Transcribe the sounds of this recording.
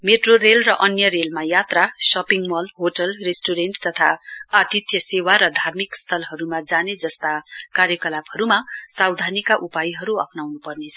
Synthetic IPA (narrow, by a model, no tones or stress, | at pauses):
meʈroɾelrʌʔʌnjʌɾelmajat̪rasʌpiŋmʌlɦoʈʌlresʈuɾenʈt̪ʌt̪ʰa̰at̪it̪jʌsewaɾʌd̪ʱarmikst̪ʰʌlɦʌɾumad͡zaned͡zʌst̪akaɾjʌkʌlabhʌɾumasawd̪ʱanikaʔupajiɦʌɾuʌ̰kʰnawnupʌrnet͡sʰʌ